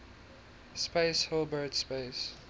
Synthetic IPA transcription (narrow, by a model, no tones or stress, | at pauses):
speɪshɪlˠbətspeɪs